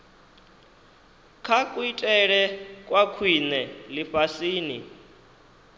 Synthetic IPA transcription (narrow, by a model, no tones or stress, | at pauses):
kʰakʼuitʼɛɺɛkʼwakʰwinɛliɸasiːni